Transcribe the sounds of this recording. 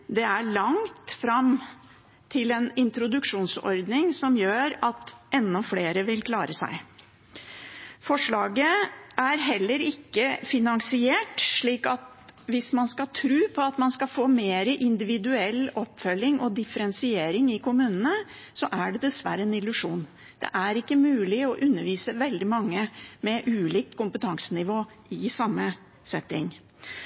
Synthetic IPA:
d̪ɛæɭɑŋt̪fɾɑm | t̪ʰɪlɛnɪnt̪ɾʊd̪ʉkʂuːnsɔ̰ɾd̪nɪŋsɔmjøːɾɑt̪ʔɛnːɔfleːɾəʋɪlkʰlɑːɾəsæ̰ɪ | fɔʂɭɑːɡəʔæɾɦɛlːəɾɪkːəfɪnɑŋsɪeːʈʂɭiːkɑt̪ | ʋɪsmɑnskɑt̪ʰɾʉːpʰɔɑt̪mɑnskɑfoːmeːɾəʔɪnd̪ɪʋɪd̪ʉɛlːɔpːfœlːɪŋʔɔd̪ɪfəɾɛnsɪeːɾɪŋɪkʊmʉːnənə | sɔʔæɖɛd̪ɛsʋæ̰ɾəɛnɪlʉʂuːn | d̪̥ɛ̰ʔæɾɪkːəmʉːlɪɔʔʉnːəɾʋiːsəʋɛld̪ɪmɑŋːəmɛʔʉːliːk̚kʊmpət̪ʰɑŋsənɪʋoː | ɪsɑmːə | sɛt̪ːɪ̰ŋ

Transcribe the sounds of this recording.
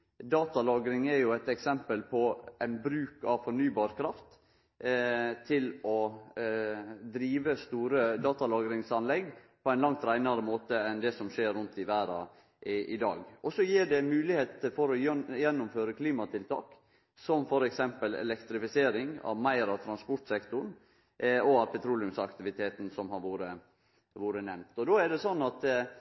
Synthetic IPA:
d̪ɑːt̪ɑlɑːɡɾɪŋɛɾjʊæɪt̪ɛksɛmpəlpʰɔʔæɪnbɾʉːkɑʋfɔɳyːbɑːɾkʰɾɑft̪ | t̪ʰɪlɔ | d̪ɾiːʋəst̪uːɾəd̪ɑːt̪ɑlɑːɡɾɪŋsɑnlɛɡpʰɔæɪnlɑŋt̪ɾæɪnɑɾəmoːt̪əɛnd̪ɛsɔmʂeːɾːʉnt̪ɪʋæːɾɑ̰ | ʔʔɪd̪ɑ̰ːɡɔsɔjiːɖɛmʉːlɪheːt̪əfɔɾɔjjɛnːʊmføːɾəkʰliːmɑt̪ɪlt̪ʰɑ̰ːk | sɔmfɔɾɛksɛmpəlɛ̰lɛkt̪ɾɪfɪseːɾɪŋɑ̰ʋmæɪɾɑʋt̪ʰɾɑnspɔʈsɛkt̪ʊɳ | ɔɑʋpʰɛt̪ʰɾuːlɪʉmsɑkt̪ɪʋɪt̪ʰeːt̪n̩sɔmhɑɾʋuːɾə | ʋuːɾənɛmt̪ɔd̪oːæɖɛsɔnːɑt̪

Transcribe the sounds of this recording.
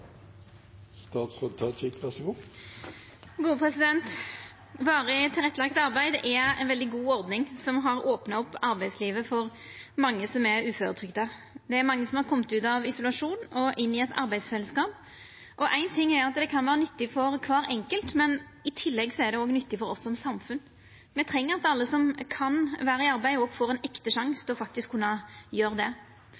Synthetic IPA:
st̪ɑːt̪sʁoːd̪t̪ʰɑt͡ʃʰɪkʋæsəɡuː | ɡuːəpʰɾɛsɪd̪ɛnt̪ | ʋɑːɾət̪ʰɪlʁɛt̪ːəlɑkt̪ɑʁbæɪd̪ʔɛæ̰ɪnʋɛld̪ɪɡuːɔɾd̪nɪŋsɔmɦɑɾoːpnɑɔpːɑɾbæɪd̪sliːʋəfɔɾ | mɑŋːəsɔmɛɾʉːføːɾət̪ʰʁʏɡd̪ɑ | d̪ɛæɾmɑŋːəsɔmhɑʁkʰɔmət̪ʉːt̪ɑʋɪsʊlɑʂuːnɔʔɪnːɪɛt̪ʰɑ̰ɾbæɪsfɛlːəskɑːp | ʔɔʔæɪnt̪ʰɪŋːæɾɑt̪d̪ɛkʰɑnʋæːɾənʏt̪ːɪfɔɾkʰʋɑːɾɛŋkəlt̪mɛn | ɪt̪ʰɪlːɛɡsɔæɾd̪ɛoːɡnʏt̪ːɪfɔɾɔsːɔɔmsɑmfʉn | mɛt̪ʰɾɛŋːəɾɑt̪ɑlːəsɔmkʰɑnʋæːɾəɪɑɾbæɪoːɡfoːɾɛɪnɛkt̪əʂɑŋst̪ʰɛɔfɑkt̪ɪskʰːʉnːɑjøːɾəd̪ɛ

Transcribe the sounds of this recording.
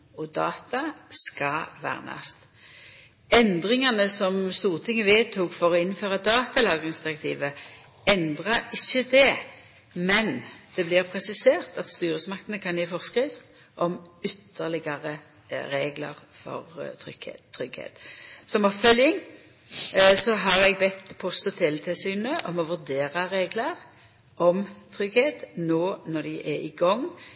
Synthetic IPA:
ɔd̪ɑːt̪ɑskɑʋæ̰ːʁnɑ̰st̪ | ɛnd̪ʁɪŋɑnəsɔmst̪uːʁt̪ʰɪŋːəʋeːt̪ʰuːkfɔʁɔɪnføːʁɑd̪ɑːt̪ɑlɑːɡʁɪŋsd̪ɪʁɛk̚t̪ʰiːʋə | ɛnd̪ʁɑɾɪçːəd̪ɛ | mɛnd̪̥ɛblɪʁpʰʁɛsɪseːʁt̪ɑt̪st̪yːɾəsmɑk̚t̪ənəkʰɑnjɛːfɔʁskʁiːʋ | ʔɔmʏt̪ʰːəʁlɪɡɑʁə | ɾeːɡlə̰ʁfɔ̰ʁt̪ʰɾʏ̰ɡ̥ḛt̪ʰːɾʏɡhḛːt̪sɔmɑbfœljɪŋ | sɔɦɑʁɛɡbɛt̪ːpʰɔst̪ɔt̪ʰɛːlt̪ʰɪlsyːnəʔɔmɔʋʉʁd̪eːʁɑɾeːɡləʁ | ʔɔmt̪ʰɾʏɡheːt̪noːnɔʁd̪æʔɛɪɡɔŋː

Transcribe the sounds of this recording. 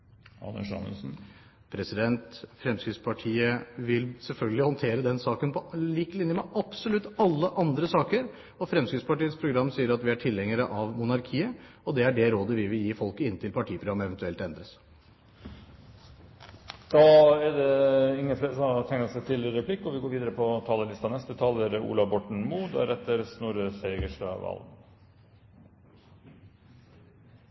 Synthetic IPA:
ɑ̰nə̰ʂɑ̰nə̰sn̩ | pʰɾɛsɪd̪ɛnt̪fɾɛmskɾɪd̪spʰɑʈʰiːəʋɪlsɛlfœlɡəlɪhɔnt̪ʰeːɾəd̪ɛnsɑːkənpʰɔliːkəlɪnjəmɛʔɑpsɔlʉt̪ːɑlːəʔɑnd̪ɾəsɑːkəɾ | ɔfɾɛmskɾɪd̪spɑʈiːəspʰɾʊɡɾɑmːsiːəɾɑt̪ʋɪæʈʰɪlhɛŋəɾəʔɑʋmʊnɑɾkʰiːə | ɔd̪ɛæɖɛɾoːd̪əʋɪʋɪljiːfɔlkəɪnːət̪ʰɪlpʰɑʈʰiːpʰɾʊɡɑmːəɛʋɛnt̪ʉɛlt̪ɛnd̪ɾəs | d̪̥ɑːɛɖɛɪŋːəfesɔt̪ʰɛŋnəɾɔsɛt̪ʰɪləɾɛpʰlɪkːɔʋɪɡoːɾʋiːd̪əɾəpʰɔt̪ʰɑːləlɪst̪ɑnɛst̪ət̪ʰɑləɾṵːlɑʋbɔʈɳ̩muːd̪ɛɾɛt̪ːəɾsnuːɾəseɪɡəʂʈɑ̰ʋɑ̰l

